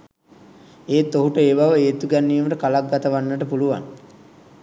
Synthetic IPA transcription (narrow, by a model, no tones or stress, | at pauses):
eːt̪ːoɦuʈəeːʋaʋəeːt̪uɡænːijəməʈəkalak̚ɡat̪əʋanːəʈəpuluʋa̰ŋ